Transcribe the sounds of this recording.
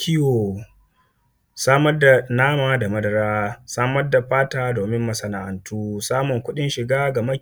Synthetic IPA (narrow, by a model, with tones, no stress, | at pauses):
kʲɪ˦jo˨ | saː˦mɐ˦rda˨naː˦maː˨da˨mɐ˦dɐ˨ɾaː˦saː˦mɐ˦rda˨ɸaː˦taː˨doː˨mɪ˦mːɐ˨sɐ˨na˨ʔa˨ntuː˦saː˦mʊ˨ŋkʷʊ˦ɗɪ˦nʃɪ˨ɡaː˦ɡa˨mɐ˦